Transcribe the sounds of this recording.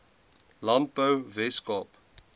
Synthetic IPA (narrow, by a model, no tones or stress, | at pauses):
lãmpovɛskɔp